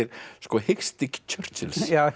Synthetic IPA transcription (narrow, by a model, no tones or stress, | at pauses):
ɪɾskɔhɪxst̪ɪccʰœr̥sɪlsja